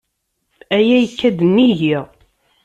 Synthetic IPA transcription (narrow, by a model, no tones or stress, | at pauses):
æjæjəkːæd̪ənːiʝiʁ